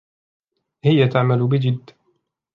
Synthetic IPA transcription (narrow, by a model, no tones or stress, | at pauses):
hɪjat̪aʕmalʊbɪd͡ʒɪd̪ː